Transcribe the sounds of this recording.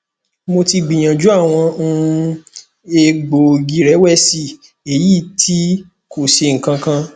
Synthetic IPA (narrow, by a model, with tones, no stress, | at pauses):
mo˧ti˧ɡ͡bĩ˨j̃ã˨d͡ʒu˨˦a˦˨w̃ɔ̃˧ũ˦˧ | e˧ɡ͡bo˨ɡi˧˦ɾɛ˨˦wɛ˦˨si˧˨ | e˨ji˦˨tʰi˦ | ko˨ʃe˧ŋ̩˨kã˧kã˧